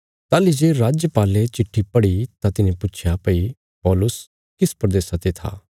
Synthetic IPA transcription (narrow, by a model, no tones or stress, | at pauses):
t̪aːlid͡ʒeːɾaːd͡ʒjəpaːlet͡ʃɪʈʰːipɐɽit̪ãt̪ɪnẽpʊt͡ʃʰjapɐi | pɔːlʊs | kɪspɾəd̪eːsat̪et̪ʰa̰ː